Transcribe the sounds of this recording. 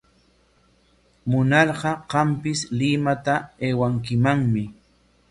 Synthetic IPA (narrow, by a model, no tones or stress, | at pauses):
mʊnɑɾɢɑɢɑmpɪslɪmat̪aeːwaŋkɪmaŋmɪ